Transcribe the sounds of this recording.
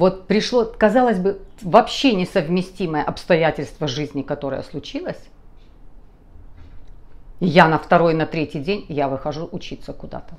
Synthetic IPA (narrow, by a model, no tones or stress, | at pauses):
vo̞t̪̚pɾʲɪʂlˠokɐzɑlˠəzʲbɨvɐpɕːenʲɪsəvmʲɪsʲtʲiməjəʔɐpst̪ɐjætʲɪlʲst̪vəʐɨzʲnʲɪkɐt̪o̞ɾə̰jə̰slˠʊt͡ɕilˠəsʲ | janəft̪ɐɾo̞jnɐt̪ɾʲetʲɪjdʲenʲjavɨxɐʐuʔʊt͡ɕit̪səkʊd̪a̰t̪ə